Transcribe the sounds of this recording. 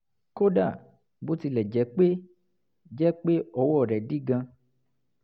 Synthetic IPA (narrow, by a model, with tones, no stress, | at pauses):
ko˦da˦˨ | bo˨˦ti˧lɛ˨d͡ʒɛ˨˦k͡pe˦ | d͡ʒɛ˦k͡pe˦ɔ˧wɔ˦˨ɾɛ˨di˦ɡã˧